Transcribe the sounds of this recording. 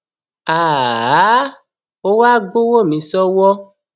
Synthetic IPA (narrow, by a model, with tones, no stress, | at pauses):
a˨˦ | o˦wa˦ɡo˦wo˦˨mĩ˨˦sɔ˦wɔ˦